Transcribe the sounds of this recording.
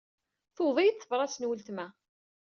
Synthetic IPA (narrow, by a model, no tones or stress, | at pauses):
θoðˤijθːəvɾˤɑsnwəlt̪mæ